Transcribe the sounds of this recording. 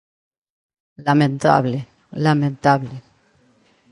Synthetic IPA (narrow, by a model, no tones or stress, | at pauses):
lamẽnt̪a̰βle | lamẽnt̪aβle